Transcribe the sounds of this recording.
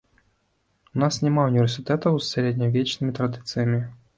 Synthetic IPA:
unasnʲɛmaunʲɪvʲɛrsɨt̪ɛt̪ɐwsːʲɐɾʲed̪ʲnʲɐvʲet͡ʃnɨmʲit̪ɾad̪ɨt̪sɨjɐmʲi

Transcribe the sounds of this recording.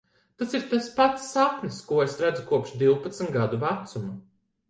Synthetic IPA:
t̪asiɾt̪aspat̪sːapniskuɔesɾæd̪zukuɔpʃd̪iwpat̪sm̩t̪ɡad̪uvæt̪sumu

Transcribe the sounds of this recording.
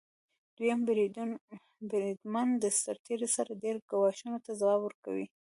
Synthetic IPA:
d̪̥ujamb | bɾid̪mand̪əsaɾt̪ʰeɾisaɾaɖeɾɡawɑʃunot̪azawɑbwəɾka̰wḭ

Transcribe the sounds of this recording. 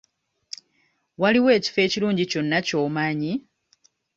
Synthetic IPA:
waliwe̞ːci̥fe̞ːciluːɲɟico̞nːaco̞ːmaːɲi

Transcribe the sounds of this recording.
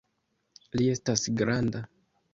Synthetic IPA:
lie̞stasɡɾanda

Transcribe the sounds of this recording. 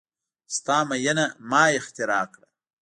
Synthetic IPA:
st̪ɑːmɐjɐnamɑːɪxt̪ɪɾɑːkɽa

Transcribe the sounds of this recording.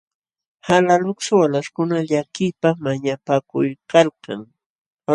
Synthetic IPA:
halalʊksawalaskʊnaʎakɪpamaɲapakʊjkalka̰ŋ

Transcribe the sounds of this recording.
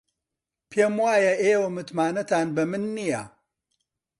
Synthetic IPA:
pʰeːmwaːjɐʔeːwɐmɨt̪maːnɐt̪aːnbɐmɨnːijɐ

